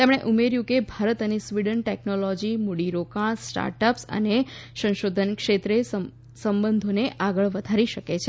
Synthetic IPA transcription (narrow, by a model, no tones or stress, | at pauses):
t̪emɽ̃eʔumeɾjũkebʱaɾət̪ənesʋiɖənʈɛknolɔd͡ʒimuɽiɾokaɽ̃sʈa̰ɾʈəpsə̰neʃə̃ŋʃod̪ʱənkʃet̪ɾesə | səmbənd̪ʱoneʔaɡəɭʋəd̪ʱaɾiʃəket͡ʃʰe